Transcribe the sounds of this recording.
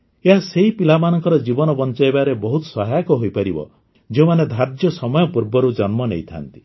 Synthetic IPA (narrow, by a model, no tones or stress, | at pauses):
eɦaseɦipilamanɔŋkɔɾɔd͡ʒibɔnɔbɔnt͡ʃajebaɾebɔɦut̪sɔɦajakɔɦojpaɾibɔ̰ | d͡ʒeũmaned̪ʱaɾd͡ʒjɔsɔmɔjɔpuɾbɔɾud͡ʒɔnmɔnejt̪ʰa̰nt̪i̥